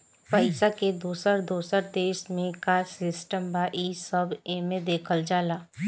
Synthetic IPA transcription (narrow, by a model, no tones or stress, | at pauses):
pəɪsaked̪uːsəɾd̪uːsəɾd̪eːʃmẽkasɪsʈəmbaʔisəbeːmẽd̪eːkʰəld͡ʒaːlaː